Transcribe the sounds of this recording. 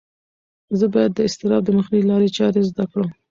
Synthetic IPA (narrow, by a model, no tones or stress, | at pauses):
zəbɑjad̪ːəɪst̪ɪɾɑb̚d̪əməxnəwilɑɾet͡ʃɑɾezd̪akɽəm